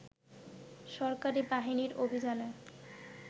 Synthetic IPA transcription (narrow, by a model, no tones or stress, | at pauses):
ʃɔɾkaɾibaɦiniɾobʱid͡ʑane